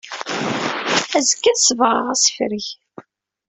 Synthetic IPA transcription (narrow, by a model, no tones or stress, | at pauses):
æzəkːæðsəvʁə̰ʁæsə̥fɾiç